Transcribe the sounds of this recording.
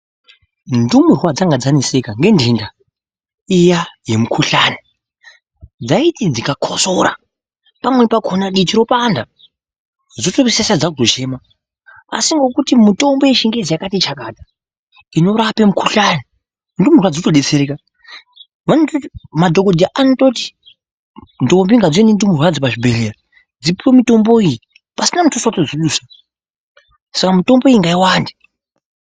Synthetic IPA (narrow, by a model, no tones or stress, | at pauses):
ndumurwad͡zaŋɡad͡zanise̞kaŋɡe̞ndinda | ijaje̞mukʰuɬani | d͡zaitid͡zikakʰoso̞ɾa̰ | pamwepakʰonaɗit͡ʃiɾo̞panda | d͡zotoβesesad͡zaoʃe̞ːma | a̰siŋɡo̞kutimuto̞mboeʃiŋɡezijakatit͡ʃakaːdʱa | ino̞ɾapemukuɬani | ndimurwad͡zotoɗe̞t͡se̞ɾeka | ʋanototimadʱo̞ko̞dʱijaʔanoto̞ti̥ | ndo̞mbiŋɡad͡zenindimurwad͡zipaʐibʱe̞lera | d͡zipiwemito̞mbo̞iji | pasinamutosatod͡ziɗuːsa | sakamito̞mbo̞iiŋɡaiwaːndi